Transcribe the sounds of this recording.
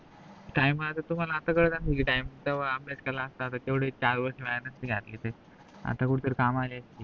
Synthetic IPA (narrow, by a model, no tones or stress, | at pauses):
ʈaiməat̪at̪um̤alaːt̪akəɽt̪asəkiʈaimət̪əʋəamlat͡ɕkəlaːst̪aːt̪at̪eʋɽ̤et͡ɕaɾʋəɾʂeʋaɭanəst̪iɡʱjat̪liːt̪e | a̰t̪akuɽit̪əɾkamaliːəst̪iː